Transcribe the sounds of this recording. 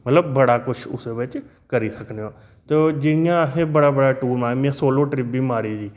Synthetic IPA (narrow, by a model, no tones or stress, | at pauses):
mət̪ləbːəɽaːkʊt͡ʃʰʊ̰seːbɪt͡ʃ | kəɾiːsəkneoː | t̪eːd͡ʒɪɽijãːsebəɽaːbəɽaːʈuːɾmaːmãːsoːloːʈɾɪpiːmaːɾiːd͡ʒiː